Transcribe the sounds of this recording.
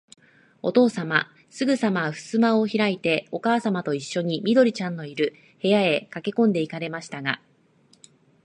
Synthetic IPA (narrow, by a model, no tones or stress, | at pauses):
o̞t̪o̞ːsama | sɨɡɯ̟samaɸɯ̟̥sɨmaoçiɾait̪e̞o̞kaːsamat̪o̞iɕːo̞ɲ̟imʲid̪o̞ɾʲit͡ɕãnːo̞iɾɯ̟ | he̞jae̞kake̞kõ̞nd̪e̞ikaɾe̞maɕi̥t̪aɡa